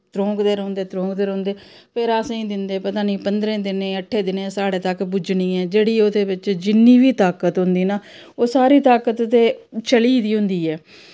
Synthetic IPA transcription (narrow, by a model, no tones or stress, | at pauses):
t̪ɾõːkd̪eːɾõːnd̪eːt̪ɾõːkd̪eːɾɦʊ̃ːnd̪eː | pʰɪɾasĩːd̪ɪnd̪eːpət̪aːniːpənd̪ɾẽːd̪ɪnẽːəʈʰːeːd̪ɪnẽːsaːɽeːt̪əkbʊd͡ʒnĩːɛːd͡ʒeːɽiːʊd̪eːbɪt͡ʃd͡ʒɪnːiːʋiːt̪aːkət̪ɦʊnd̪iːnaː | oːsaːɾiːt̪aːkət̪ːeːt͡ʃəliːd̪iːɦʊ̃nd̪iːɛː